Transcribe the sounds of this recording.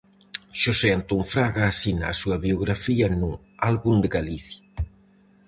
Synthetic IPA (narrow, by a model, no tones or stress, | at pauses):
ʃoseant̪uɱfɾaɣaːsina̰ːsuɐβioɣɾafiɐnu | alβund̪eɣaliθja